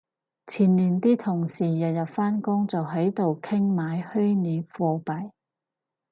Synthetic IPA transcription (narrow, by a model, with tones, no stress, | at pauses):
t͡sʰiː˨˩nliː˨˩nt̪iː˥t̪ʰʊ˨˩ŋsiː˨˩jɐ˨t̚jɐ˨t̚faː˥nkʊ˥ŋt͡sɐ˨wɦɐ˨˥jt̪o˨wkʰɪ˥ŋmaː˨˧jhɵ˥jniː˨˧˥p̚fɔː˧pɐ˨˩j